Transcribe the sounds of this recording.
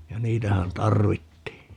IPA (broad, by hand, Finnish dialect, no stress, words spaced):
jɑ niːtæhæn tɑrʋitːiː